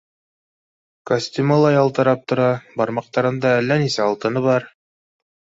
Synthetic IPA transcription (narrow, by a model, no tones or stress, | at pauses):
kosʲt̪ʲumɑlˠɑjɑlˠt̪ɤ̆ɾɑp̚t̪ŏɾɑbɑɾmɑq̚t̪ɑɾɤ̆nd̪ɑælːænisæɑlˠt̪ɤ̆nɤβɑɾ